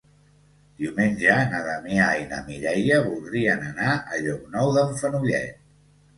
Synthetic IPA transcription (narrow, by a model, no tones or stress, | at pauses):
d̪iwmenʲʒənəðəmiainə̰miɾɛjəβulˠd̪ɾiənənaəʎɔk̚nɔwðəɱfənuʎɛ̰t̪̚